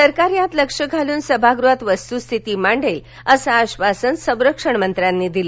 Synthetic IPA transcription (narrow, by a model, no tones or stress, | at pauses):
səɾkaɾjãt̪ləkʂəɡʱaluːnsəbʱaɡɾuat̪ʋəst̪ust̪ʰit̪imaɳɖəl | əsaːɕʋasənsə̃w̃ɾəkʂəɳmənt̪ɾanːiːd̪ili